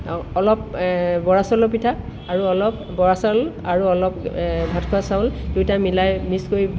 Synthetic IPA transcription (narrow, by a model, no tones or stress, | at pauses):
ɔlɔp̚bɔɹasɔlɔpitʰaː | ɹuɔlɔp | bɔɹasɔlaɹuɔlɔpbʱatʰkʰuasaw̃ldujtamilajmiskoi